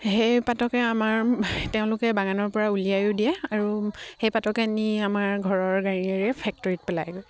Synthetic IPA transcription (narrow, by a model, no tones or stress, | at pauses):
hejpatɔkɛamaɹteʊ̃lʊkɛbaɡanɔɹpɔɹaulijajʊdiɛaɹuhejpatɔkɛniamaɹɡʱɔɹɔɹɡaɹiɛɹɛpʰɛk̚tɔɹit̚pɛla̰jɡɔj